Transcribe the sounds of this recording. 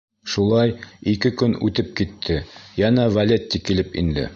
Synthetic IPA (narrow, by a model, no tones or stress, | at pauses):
ʃulˠɑjikɘkɵnʉt̪ɘp̚kit̪ʰːɘjænævɐlʲet̪ʲːikilɘpḭnd̪ɘ̰